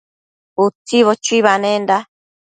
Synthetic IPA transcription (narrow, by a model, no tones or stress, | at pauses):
ut͡siβot͡ʃuiβanẽnda